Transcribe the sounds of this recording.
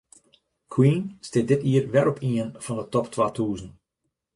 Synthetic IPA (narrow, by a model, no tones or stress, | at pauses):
kʰwinstɪdɪtiərʋɛɾɔpʰiənv̥ɑndətɔptʋaːtʰuːzən̩